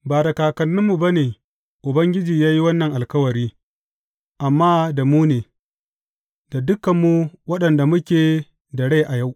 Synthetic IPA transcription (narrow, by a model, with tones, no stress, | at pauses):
baː˨da˨kaː˨kɐ˨nːʊ˦mːu˨ba˦neː˨ | ʔʊ˨bɐ˦ŋɡʲɪ˦d͡ʒiː˨jaː˦ji˦wɐ˦nːɐ˨ŋʔa˨lkɐ˦wɐ˨ɾiː˦ | ʔa˨mːaː˦da˨muː˦neː˨ | da˨dʊ˦kɐ˨mːu˦wɐ˦ɗɐ˨nda˨mʊ˦kʲeː˨ | dɐ˨ɽe˦ʔa˨ja˦w